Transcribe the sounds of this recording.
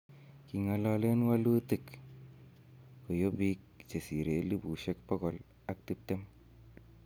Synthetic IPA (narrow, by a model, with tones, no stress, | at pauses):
ki˨ŋa˨lɔ˦le˦nwa˦lu˦ti˦˨k | ko˨jo˦bi˦k̚t͡ʃe˨si˨ɾe˨˦li˦bu˨ʃe˦k̚pɔ˦kɔ˨l | a˨k̚ti˦p̚te˦m